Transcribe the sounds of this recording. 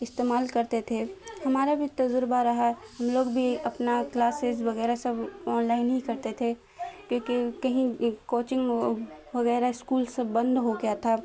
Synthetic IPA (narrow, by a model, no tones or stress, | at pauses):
ɪst̪eːmaːlkɐɾt̪et̪ʰehɐmaːɾabʱit̪ɐzʊɾbaɾɐɦaɦɐmloːɡbʱiɐpnaklaːsɪzʋɐɣɛːɾasɐbɔːnlaːɪnɦĩkɐɾt̪et̪ʰe | kjõːkekɐɦĩkoːt͡ʃɪ̃ŋɡʋɐɣɛːɾaɪskuːlsɐbɐ̃nd̪ɦoɡɪjat̪ʰa